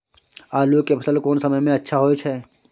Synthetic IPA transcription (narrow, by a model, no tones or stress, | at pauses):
aːlukepʰɐsəlkoːnsɐməjmẽɐtːʃʰaɦoːit͡ʃʰɛː